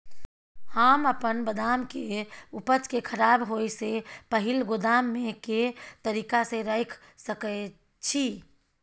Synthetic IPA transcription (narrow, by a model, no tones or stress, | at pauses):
həməpənbəd̪aːmkeʊpət͡ʃkekʰəɾaːbɦojsepəɦɪlɡod̪aːmːẽket̪əɾiːkaseɾəɪkʰ | səkɛ | t͡ʃʰi